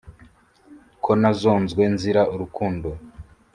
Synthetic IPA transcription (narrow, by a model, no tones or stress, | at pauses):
kʰo̞nazo̞ːnzɡwe̞nziɾaʔuɾukuːndo